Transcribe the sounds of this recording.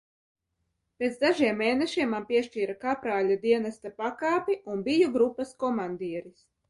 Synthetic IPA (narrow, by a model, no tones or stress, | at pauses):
pʲeːt̪zd̪aʒiɛmːeːnɛʃiɛmːanpʲiɛʃt͡ʃiːɾakapɾaːlʲad̪iɛnast̪apakaːpʲiunbijuɡɾupːaskɔmand̪iɛɾis